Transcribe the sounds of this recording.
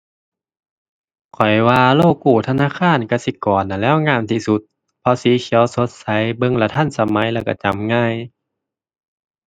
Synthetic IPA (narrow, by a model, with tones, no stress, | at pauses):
kʰɔ˨˩jwaː˧loː˧˥˩kːuː˧˩t̪ʰa˧naː˧˥˨kʰaː˧˥˨nka˧˩si˧˦kɔː˨˩nʔa˨lɛː˧˥˨wŋaː˧˥˨mt̪ʰi˧˩su˧˦t̪̚ | pʰɔ˧˥siː˨˦kʰi˨˦əwso˧˦t̪̚sa˨˦jbɤ˧˨ŋla˧t̪ʰa˧˥˨nsa˧ma˨˦jlɛː˧˩wka̰˧˩t͡ɕa˨˦mŋaː˧˥˨j